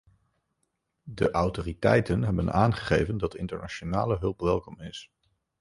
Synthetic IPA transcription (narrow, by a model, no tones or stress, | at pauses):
dəʔɑwtoːritɛ̰jtənɦɛbənaːnχə̥χejvəndɑtɪ̰ntəɹnat͡ʃonaːləɦɵlˠpʋɛlˠkɔmɪs